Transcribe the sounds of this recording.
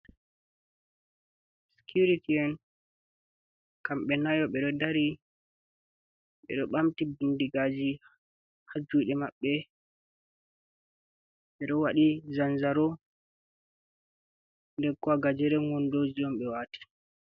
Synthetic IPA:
si̥kuɾitiɛn | kamɓɛnajɔɓɛɗɔdaɾi | ɓɛ̰ɗɔɓamtibundiɡad͡ʒi | had͡ʒujɗɛmaɓːɛ | ɓɛɗɔwaɗizanzaɾɔ | ndɛɾkɔaɡad͡ʒɛɾɛŋɔndod͡ʒiɗɔmɓɛwaːti̥

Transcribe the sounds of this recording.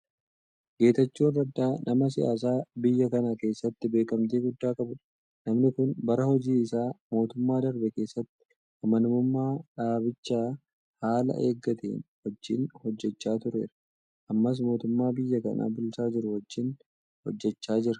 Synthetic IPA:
ɡe̞ːt̪ɐt͡ʃːuːnrɐd̪ːaːnɐmɐs̬ɪa̰ːs̬aːbɪjːɐkɐnake̞ːsːɐt̪ːɪbe̞ːkʼɐmt̪eːɡʊd̪ːaːkʼɐbʊᶑɐ̥ | nɐmnɪkʊnbɐɾɐhɔd͡ʒiːɪsaːmo̞ːt̪ʊmːaːd̪ɐɾbɛke̞ːsːɐt̪ːɪ̥ | ʔɐmɐnʊmʊmːaːᶑaːbɪt͡ʃːaː | haːlɐ̰ʔe̞̰ːɡːɐt̪ḛːnwɔd͡ʒːɪːnhɔd͡ʒːɛt͡ʃːaːt̪ʊɾe̞̰ːɾɐ̥ | ʔɐmːɐs̬mo̞ːt̪ʊmːaːbɪjːɐkɐna̰ːbʊlsaːd͡ʒɪɾʊhɔd͡ʒːɪn | hɔ̰d͡ʒːɛt͡ʃːaːd͡ʒɪɾɐ

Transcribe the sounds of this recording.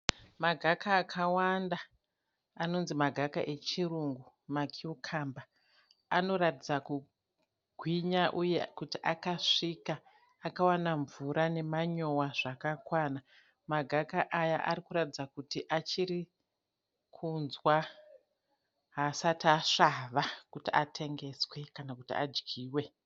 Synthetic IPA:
maɡʱakʰaːkʰawanda | ano̞nzimaɡʱakaʔe̞t͡ʃiruŋɡu | makʰiukʰamba | ano̞ratid͡zaku | ɡʱwiɲaʔujekutiʔakaʂika | akawanaɱvuɾʔane̞maɲo̞waʐ̥akakwana | maɡʱakaʔajaʔa̰ɾikuɾatid͡zakutiʔat͡ʃiɾi | kʰunzwa | ɦasataʂaʋakutiʔatʰe̞ŋɡe̞swe̞kanakutia̰d͡ʒɡiːwe̞

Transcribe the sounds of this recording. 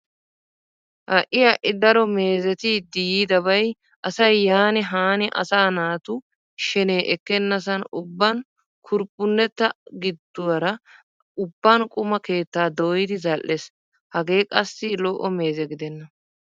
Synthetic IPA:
ʔɐʔɪjɐʔɪd̪ɐɾɔme̞ːzɛt̪ɪd̪ijiːd̪ɐbɐj | ʔɐsɐjːaːnɪɦaːnɪʔɐ̰saːnaːt̪ʊ | ʃɛneːʔɛkːɛnːɐs̬ɐnʊbːɐn | kʰʊɾpʼːʊnːɛt̪ːɐɡɪd̪ːʊwɐɾɐ | ʊbːɐnkʼʊmɐke̞ːt̪ːaːd̪ɔːjɪd̪ɪzɐʔːes | hɐɡe̞ːkʼɐsːɪloːʔɔme̞ːzɛɡɪd̪ɛnːɐ

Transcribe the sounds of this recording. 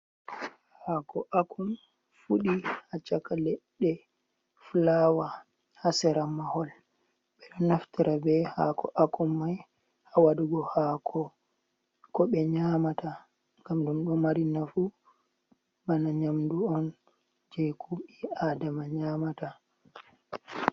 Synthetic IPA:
hakɔʔakʰum | fuɗihat͡ʃakalɛɗːɛ | flawa | hasɛɾamahɔl | ɓɛɗɔnaftiɾabɛha̰kɔ̰ʔakɔmːaj | hawaduɡɔhakʰɔ | kɔɓɛɲamata | ŋɡamdumɗɔmaɾinafu | banaɲamduɔn | d͡ʒɛkʰuɓiadamaɲamata

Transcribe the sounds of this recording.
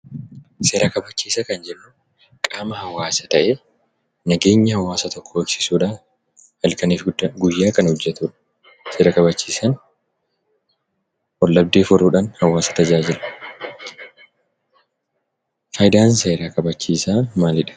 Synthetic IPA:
se̞ːɾʔɐkɐbɐt͡ʃːiːsɐkɐnd͡ʒɛnːʊ | kʼaːmɐhɐwːaːsɐt̪ɐʔeː | nɐɡe̞ːɲːɐhɐwːaːsɐt̪ɔkʰːɔɐksɪsuːᶑaː | hɐlkɐniːfɡʊjːaːkɐnhʊd͡ʒːɛt̪uːᶑɐ̥ | se̞ːɾɐkʼɐbɐt͡ʃːiːsɐn | ʔɔlːɐb̚d̪eːfɔɾuːᶑaːnhɐwːaːsɐ̥t̪ɐd͡ʒaːd͡ʒɪlɐ̥ | fɐːjɪd̪aːnseːɾaːkɐbɐt͡ʃːiːsaːmaːlɪᶑɐ̥

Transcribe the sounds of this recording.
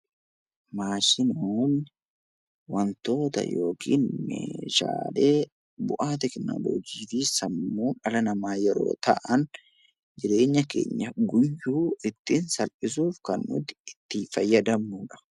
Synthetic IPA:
maːʃɪnoːn | wɐnt̪o̞ːt̪ɐ̰jo̞ːkʰḭːnmḛːʃa̰ːle̞ː | bʊʔaːt̪̬ɛkɪna̰ːbo̰ːd͡ʒiːfisɐmːuːnɐlɐnɐmaːjɛɾo̰ːt̪ɐ̰ʔɐn | d͡ʒɪɾe̞ːɲːɐkḛːɲːɐɡʊjːuːɪt̪ːɪnsɐlʔɪs̬uːfkɐnmʊ̰t̪ɪɪt̪ːɪfɐjːɐd̪ɐmːuːᶑɐ̥

